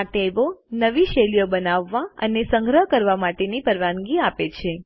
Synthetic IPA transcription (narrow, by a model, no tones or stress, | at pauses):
ʈebonəʋiʃelijobənaʋːaə̰nesə̃ŋɡɾəɦkəɾʋamaʈenipəɾʋanɡiapet͡ʃʰe